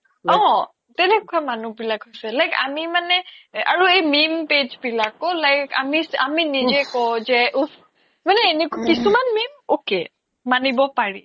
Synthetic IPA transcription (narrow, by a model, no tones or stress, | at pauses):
ɔ̃ | tɛnɛkʊamanubilakɦojsɛlajka̰mimanɛa̰ɹuejmimped͡ʒbilakɔlajka̰misa̰minizɛkɔzɛʔup | manɛːnekakisumanmimoke | manibɔpaɹḭ